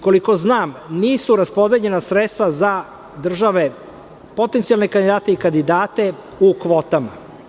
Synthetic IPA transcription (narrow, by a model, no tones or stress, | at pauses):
ko̞liko̞znaːmniːsuɾaspo̞d̪eʎe̞nasɾet̪st̪ʋaza | d̪r̩ʒaʋe̞ | po̞t̪ent̪ialne̞kand̪id̪aːt̪eikand̪id̪aːt̪e̞ | ukʋoːt̪ama̰